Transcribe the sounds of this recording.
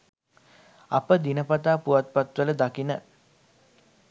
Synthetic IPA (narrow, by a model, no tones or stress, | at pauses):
a̰pəd̪inəpat̪aːpuʋat̪̚pat̪ʋələd̪akinə